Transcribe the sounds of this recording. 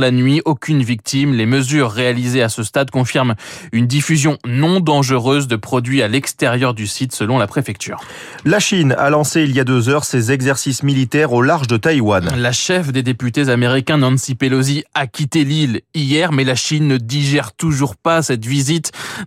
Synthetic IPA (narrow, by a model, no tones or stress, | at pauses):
lanɥiʔokʲynvik̚t̪imleməzyʁːealizeasəst̪ad̪kɔ̃fiʁmynd̪ifyzjɔ̃nɔ̃d̪ɑ̃ʒəʁøzd̪əpχɔd̪ɥialɛkst̪ɛʁjœʁd̪ysit̪səlɔ̃lapχefɛk̚t̪y̰ːʁ | laʃina̰lɑ̃seiljad̪øzœʁsezɛɡzɛʁsismilit̪ɛʁolaʁʒd̪ət̪ajwanlaʃɛfd̪ed̪epyt̪ezameʁikʲɛ̃nɑ̃nsipeloziakʲit̪elilijɛʁmɛlaʃinːəd̪iʒɛʁt̪uʒuʁpasɛt̪vizit̪